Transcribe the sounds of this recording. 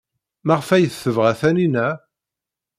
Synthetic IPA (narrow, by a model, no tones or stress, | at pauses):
maʁfæjəθːəvʁæθæninæ